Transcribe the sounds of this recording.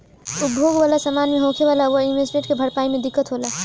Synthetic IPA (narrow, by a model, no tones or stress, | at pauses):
ubʱoɡʋalasəmanmeɦokʰeβalawəinmesmeʈkebʱəɽpaimed̪ikːət̪ɦola